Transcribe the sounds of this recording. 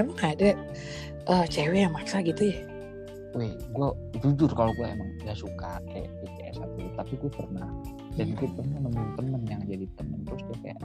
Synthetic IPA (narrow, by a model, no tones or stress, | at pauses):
emaŋada | ʔəːt͡ʃɛwejaŋmaksaɡit̪uja | ejɡua | d͡ʒud͡ʒʊrkaloɡuaḛmaŋɡasukaka̰ja̰ʔpikeʔɛ̰sa̰t̪udit̪apiɡuapərnah | danɡuapərnahməmaŋt̪əmənjaŋd͡ʒadit̪əmənt̪ɾʊsɡuaka̰ja̰ʔ